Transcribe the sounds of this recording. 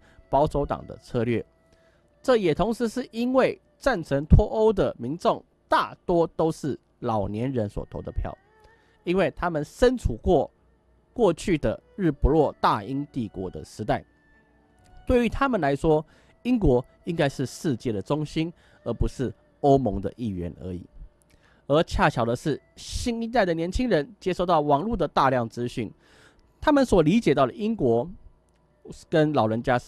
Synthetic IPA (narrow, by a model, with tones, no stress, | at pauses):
pɑ˧˥ʊt͡sʰo˧˥ʊt̪ɑ̰˨˩ŋd̪ə̰˦t͡sʰɤ˥˧lɥɛ̰˥˩ | ʈ͡ʂɤ˥˨jɛ˨˩t̪ʰʊ˧˥ŋʂɻ̩˧˥˦ʂɻ̩˥˩i˥nwe˥˩ɪ | t͡sa˥˩nʈ͡ʂʰə˧˥ŋt̪ʰwɔ˥ʔo˥ʊd̪ə˨mi˧˥nʈ͡ʂʊ˥˨ŋ | t̪a̰˥˩t̪wɔ˥t̪o˥ʊʂɻ̩˥˩ | lɑ˨˩ʊnjɛ˧˦˥nɻə˧˥nswɔ̰˨˩t̪ʰo̰˧˥ʊd̪ə̰˧˨pʰjɑ̰˥˩ʊ | i˥nwe˥˩ɪt̪ʰa˥mə˨nʂə˦nt͡sʰu˨˩kwɔ˥˧ | kwɔ˥˧t͡ɕʰy˥˩d̪ə̰˩ | ɻɻ̩˥˩pu˧˥lwɔ˥˧t̪a˥˨i˥nt̪i˥˩kwɔ̰˧˥d̪ə̰˨ʂɻ̩˧˥t̪a˥˩ɪ | t̪we˥˩ɪy˧˥t̪ʰa˥mə˨nla˧˥ɪʂwɔ˥ | i˥ŋkwɔ˧˥ | i˥ŋka˥ɪʂɻ̩˥˧ʂɻ̩˥˧t͡ɕjɛ˥˩ɾə˩ʈ͡ʂʊ˥ŋɕi˥n | ə˧˥pu˧˥ʂɻ̩˥˩ | o˥ʊmo˧˥ŋd̪ə̰˧ʔi˥˩ɥɛ̰˧˥nə̰˧˥ḭ˨˩˦ | ə˧˥t͡ɕʰja˥˩t͡ɕʰjɑ˨˩ʊd̪ə˦ʂɻ̩˥˩ | ɕi˥ni˥˧t̪a˥ɪə˩njɛ˧˥nt͡ɕʰi˥ŋɻə˧˦nt͡ɕjɛ˥ʂo˥˧ʊt̪ɑ˥˩ʊwɑ˨˩ŋlu˥˩d̪ə˩t̪a˥˧ljɑ˥˩ŋt͡sɹ̩˦ɕy˥˩n | t̪ʰa˥mə˨nswɔ˨˩li˧˥t͡ɕjɛ˨˩t̪ɑ˥˩ʊɾə˨ʔi˥ŋkwɔ˧˥ | kə˦nlɑ˨˩ʊɻə˧˥nt͡ɕja˦˥